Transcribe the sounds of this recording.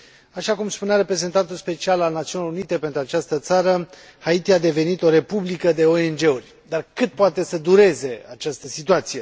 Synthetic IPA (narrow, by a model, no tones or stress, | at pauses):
aʃakumspuneaɾe̞pɾe̞ze̞nt̪ant̪ulspe̞t͡ʃialalnat̪siuniloɾunit̪e̞pe̞nt̪ɾuat͡ʃast̪ət̪saɾə | hait̪iad̪e̞ve̞nit̪o̞ɾe̞publikəd̪e̞o̞e̞nd͡ʒe̞urʲd̪arkɨt̪̚poat̪e̞səd̪uɾe̞ze̞at͡ʃast̪əsit̪uat̪sije̞